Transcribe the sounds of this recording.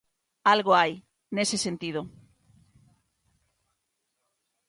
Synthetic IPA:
alɣoaj | nesesent̪ið̞o

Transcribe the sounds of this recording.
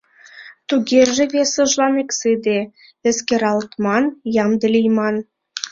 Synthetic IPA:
t̪uɣerʒĕβesəʒlɑmeksɨd̪e | ĕskeɾɑlt̪mɑnjɑmd̪ə̆lʲijmɑn

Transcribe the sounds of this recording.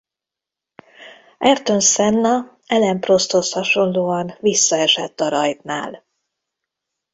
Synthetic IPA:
ɛrt̪ø̞nsɛnːɒ | ɛlɛmpro̞st̪ho̞shɒʃo̞nloːɒnvisːɒɛʃɛt̪ːɒɾɒjt̪na̰ːl

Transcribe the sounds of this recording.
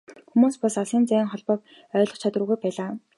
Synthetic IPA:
xumuːspɔsasiːnt͡sæ̆ːŋχɔɮpɔːp̚ | œːɮɞ̆χt͡ɕʰat̪rə̆ɣujpæːɮaː

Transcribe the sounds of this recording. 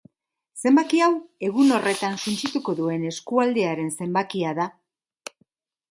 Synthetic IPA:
se̞mbakiawe̞ɣ̞uno̞re̞t̪ansunt͡ʃit̪uko̞ðue̞ne̞skuald̪e̞aɾe̞nse̞mbakiaða

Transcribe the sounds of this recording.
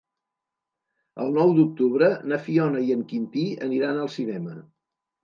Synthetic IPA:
ə̰lˠnɔwd̪uk̚t̪uβɾənəfiɔnəiəŋkint̪iə̰niɾanəlˠsinɛmə

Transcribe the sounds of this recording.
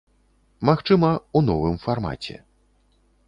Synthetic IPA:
maxt͡ʂɨmɐunɔvɨmfarma̰t͡sʲɛ̰

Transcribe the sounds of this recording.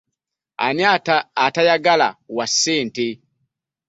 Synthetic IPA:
a̰niataːtajaɡala̰wasɛːntɛ

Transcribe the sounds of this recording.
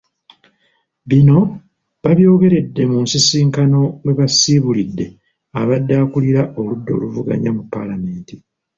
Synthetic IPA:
βino̞ | βaβjo̞ːɡe̞ɾe̞dːe̞munsisiːŋkano̞weβasiβulidːe̞ | aβadːaːkuliɾaʔo̞ludːo̞̰ːluvuɡa̰ɲamupːalame̞ːnti

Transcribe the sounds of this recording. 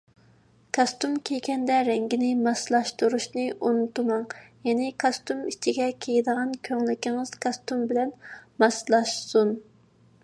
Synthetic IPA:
kʰɑst̪umkʲʰejɡʲɛnd̪ɛɾɛŋɡʲinɪmɑslˠɑʃt̪uɾuʃnɨʔunut̪umɑŋjɛnɪkʰɑst̪umit͡ʃʰiɡʲɛkʲʰejid̪əʁɑnkʲʰøŋlykʲiŋɨz̥kʰɑst̪umbɪlɛnmɑslˠɑʃsun

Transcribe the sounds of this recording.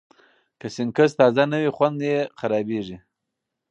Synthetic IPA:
kəsɪŋkəst̪ɑzanəwixwand̪jexaɾɑbeʐi

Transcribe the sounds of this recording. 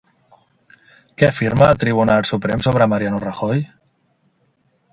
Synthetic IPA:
kɛəfiɾməːlˠt̪ɾiβ̞unalˠsupɾɛmsoβɾəmaɾjanurəxoj

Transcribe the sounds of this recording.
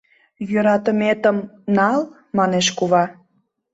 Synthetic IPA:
jøɾɑt̪əmet̪əmnɑl | mɑneʃkuβɑ

